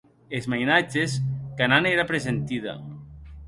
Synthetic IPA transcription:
ezmajnad͡ʒeskananeɾapɾezent̪iða̰

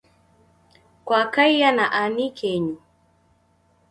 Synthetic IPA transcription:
kwakajjanaʔanikʰɛɲu

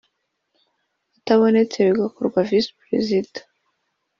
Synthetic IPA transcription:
ataβonet͡seɾeɡakoɾɡwavispɾḛzidḁ

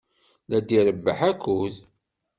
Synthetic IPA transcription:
læd̪iɾəbːə̰ħækːuð

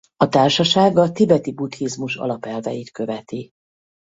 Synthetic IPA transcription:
ɒt̪aːrʃɒʃaːɡɒt̪ibɛt̪ibut̪hizmuʃɒ̰lɒpɛlvɛjit̪kø̞vɛt̪i

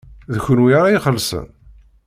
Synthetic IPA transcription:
ðəçʊnwiɾˤaiχəlsə̰n

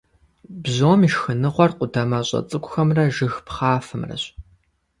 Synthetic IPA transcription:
bʑoːmiːʃxɨnɨʁʷɔrqʷʊdɐmɐɕʼɐ̰t͡sʼɨkʷʊxɐmrɐʒɨxpχaːfɨmrɐ̰ɕ

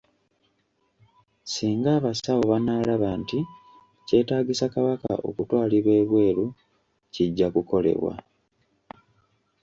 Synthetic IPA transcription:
siːŋɡaːβasawo̞βanaːlaβaːnti | ce̞ːtaːɡisakaβaka̰ʔo̞̰kutwaːliβwe̞ːβwe̞ːɾu | ciɟːakuko̞le̞̰βwa̰

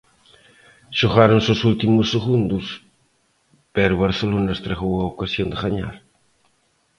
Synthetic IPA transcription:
ʃoɣaɾonsosult̪imʊsːeɣund̪ʊs | pɛɾʊβaɾθelonɐest̪ɾaɣowaokasjond̪ɪɣaɲa̰ɾ

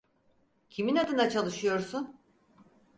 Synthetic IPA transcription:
cʰiminad̪ɯnd̪at͡ʃʰalˠɯʃɯjo̞ɾsun

